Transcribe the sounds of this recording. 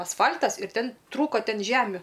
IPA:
ɐsˈfɐlʲtɐs ɪr ˈtʲɛn ˈtruːkoː ˈtʲɛn ˈʒʲæːmʲʊ

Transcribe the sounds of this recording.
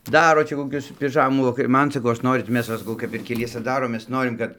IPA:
ˈdɑːroː ˈt͡ʃʲɛ koːˈkʲʊs pʲɪˈʒɑːmuː ʋɐˈkɐrʲ ˈmɐn sɐˈkɐʊ ˈɐʃ ˈnoːrʲɪt ˈmʲɛs ʋɐ sɐˈkɐʊ kɐp ɪr kʲɛˈlʲiɛsʲɛ ˈdɑːroːm ˈmʲɛs ˈnoːrʲɪm kɐt

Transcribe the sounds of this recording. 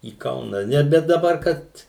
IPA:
iː ˈkɐʊnɐ ˈnʲɛ bʲɛt dɐˈbɐr ˈkɐt

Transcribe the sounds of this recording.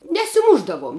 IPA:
nʲɛsʲɪˈmʊʒdɐʋuɔm

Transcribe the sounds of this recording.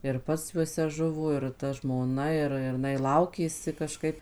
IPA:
ɪr ˈpɐts juɔˈsʲɛ ˈʒʊʋoː ɪr tɐ ʒmoːˈnɐ ˈɪr ɪr ɪˈnɐɪ ˈlˠɐʊkʲeːsʲɪ kɐˈʃkɐɪp

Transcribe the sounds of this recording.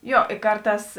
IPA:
ˈjoː ɪ ˈkɐrˌtɑːs

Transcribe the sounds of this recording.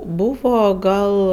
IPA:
ˈbuːʋoː ˈɡɐlˠ

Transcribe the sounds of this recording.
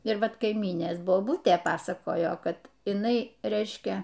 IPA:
ɪr ˈʋɐt kɐɪˈmʲiːnʲeːs boːˈbʊtʲeː ˈpɑːsɐkoːjoː ˈkɐt ɪˈnɐɪ ˈrʲɛɪʃʲkʲɛ

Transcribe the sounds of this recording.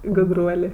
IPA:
ɡʊdˈruɔlʲeː

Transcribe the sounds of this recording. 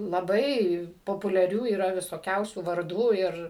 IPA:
lˠɐˈbɐɪ poːpʊlʲɛˈrʲuː iːˈrɐ ʋʲɪsoːˈkʲɛʊsʲuː ʋɐrˈduː ˈɪr

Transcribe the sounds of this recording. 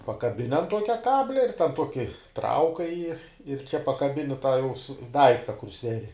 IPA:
pɐkɐˈbʲɪnʲɪ ɐn ˈtuɔkʲɛ ˈkɑːbʲlʲɛ ɪr tʲɛn ˈtuɔkʲɪ ˈtrɐʊkɐɪ jɪ ɪr t͡ʃʲɛ pɐkɐˈbʲɪnʲɪ tɑː jɛʊ sʊ ˈdɐɪktɐ kʊr ˈsʲʋʲæːrʲɪ

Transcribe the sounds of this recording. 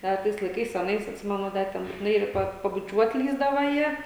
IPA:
ˈdɐ tɐɪs lˠɐɪˈkɐɪs ɐˈnɐɪs ɐtʲˈsʲɪmʲɛnʊ ˈdɐ tʲɛn bʊtʲɪˈnɐɪ ˈpɐ pɐbʊˈt͡ʃʲuɔt ˈlʲiːzdɐʋɐ ˈjiɛ

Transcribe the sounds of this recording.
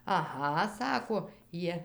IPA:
ɐˈɣɐ ˈsɑːkoː ˈjiɛ

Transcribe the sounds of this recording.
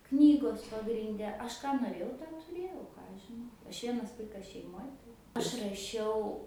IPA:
ˈknʲiːɡoːs pɐɡrʲɪnʲˈdʲɛ ˈɐʃ ˈkɑː noːˈrʲeːjɛʊ tɑː tʊˈrʲeːjɛʊ ˈkɑː ɐʃ ʒʲɪˈnɐʊ ˈɐʃ ˈʋʲiɛnɐs ˈʋɐɪkɐs ʃʲɛɪˈmoːj tɐɪ ˈɐʃ rɐˈʃʲɛʊ

